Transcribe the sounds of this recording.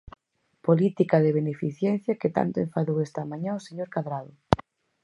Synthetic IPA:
polit̪ikaðeβ̞enefiθjɛn̟θjaket̪a̰nt̪oẽɱfaðowest̪amãɲãoseɲoɾkaðɾaðʊ

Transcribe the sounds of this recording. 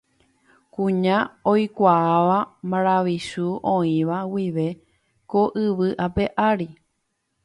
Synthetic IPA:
kũɲãojkʷaːʋamãɾ̃aʋisuʔõĩʋawiʋe̞ | koʔɨʋɨʔape̞ʔaɾi

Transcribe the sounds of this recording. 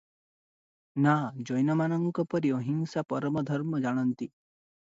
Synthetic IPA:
nad͡ʒɔjnɔmanɔŋkɔpɔɾiɔɦiŋsapɔɾɔmɔd̪ʱɔɾmɔd͡ʒaɽ̃ɔnt̪i

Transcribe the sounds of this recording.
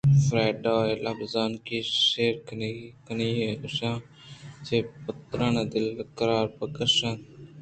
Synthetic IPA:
fɾaːɖaːeːlabzaːnkiːʃeːɾkənːkəniːɦeːʊʃãː | t͡ʃeːpət̪ɾəɳːd̪ɪləkəɾaːɾpəkəɾʃən

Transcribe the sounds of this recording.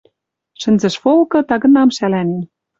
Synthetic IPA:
ʃɘ̆nzɘ̆ʃfolˠkɤ̆t̪ɑɣɤ̆nɑmʃælænen

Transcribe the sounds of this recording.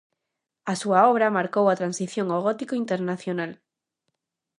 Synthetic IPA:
asuaɔβ̞ɾamaɾkowat̪ɾansiθjoŋoɣɔt̪ikoint̪eɾnaθjonal

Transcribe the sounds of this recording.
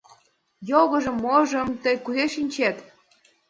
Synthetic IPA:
joɣɤʒə̆mːoʒə̆mt̪əjkuzeʃinʲt͡ɕet̪

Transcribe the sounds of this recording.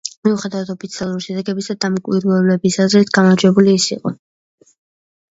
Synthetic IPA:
miuχɛd̪avat̪ʰɔpʰit̪sʰialˠuɾiʃɛd̪ɛɡɛbisad̪amikʼwiɾuɛblɛbisazɾit̪ʰɡ̥amaɾd͡ʒwɛbuliːsḭqʼɔ

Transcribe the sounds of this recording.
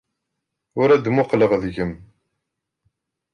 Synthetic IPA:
ʊɾæd̪mʊqləʁðəʝəm

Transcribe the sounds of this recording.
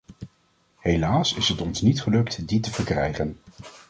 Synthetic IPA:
ɦelaːsɪsɦətɔnsnitχəlɵktditəvəɹkrɛ̰jχən

